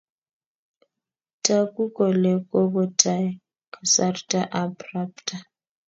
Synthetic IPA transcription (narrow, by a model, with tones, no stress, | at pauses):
tʰʼa˦ku˦kɔ˨lɛ˨kʼɔ˦bɔ˦tʰʼa˦ | kʰa˨sa˦rtʼa˦ʔa˨bra˦ptʰʼa˨